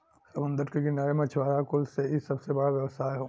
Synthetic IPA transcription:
sɐmə̃nd̪əɾkeɡɪnaːɾemɐt͡ʃʰʋaːɾakʊlseisɐbsebɐɽaʋjɐʋsaːeɦoː

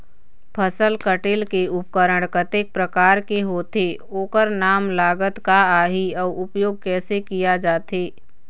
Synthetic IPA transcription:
pʰəsəlkəʈeːlkeʊp̚kəɾəɽ̃kət̪eːk̚pɾəkaːɾkeɦoːt̪e | oːkəɾnaːmlaːɡət̪kaaːɦiɔːʊpjoːɡ̚kɛːsekijad͡ʒaːt̪eː

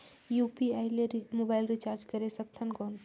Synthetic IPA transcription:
jupiaɪleɾimobailɾit͡ʃaɾd͡ʒkəɾesək̚t̪ʰənkɔːn

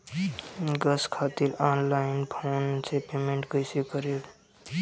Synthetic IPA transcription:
ɡəskʰaːt̪ɪɾaːnlaːɪnpʰoːnsepeːmẽɳʈkəɪsekəɾe

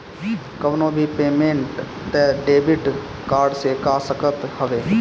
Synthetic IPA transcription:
kəʋnõːbʱiːpeːmẽːɳʈ | t̪eːɖeːbɪʈ | kaːɾɖseːkaːsəkət̪həʋeː

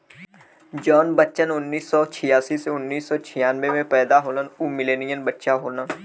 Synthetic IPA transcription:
d͡ʒɔːnbətːʃənʊnːiːsːɔːt͡ʃʰɪjaːsiseʊnːiːsːɔːt͡ʃʰɪjaːnʋemẽpɛːd̪aɦoːlənuːmɪleːnijənbətːʃaɦoːnəː

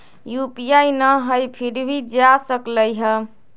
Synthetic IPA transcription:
jupijajnəɦəjpʰiɾbʱid͡ʒasəkləjɦə

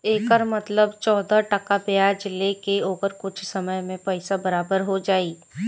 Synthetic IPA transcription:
eːkəɾmət̪ləbt͡ʃɔːd̪aʈɐkabeaːd͡ʒlekeoːɡəɾkʊt͡ʃʰsɐməjmẽpɛɪsabɐɾaːbəɾɦod͡ʒaːiː

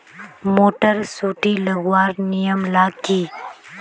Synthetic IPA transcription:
moːʈəɾsuːʈilɐɡwaːɾnijəmlaːkiː

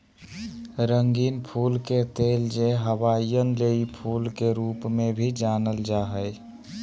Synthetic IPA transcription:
ɾəŋɡiːnpʰulket̪eld͡ʒeɦəwaijənleipʰulkeɾupmebʱid͡ʒanəld͡ʒaɦəj

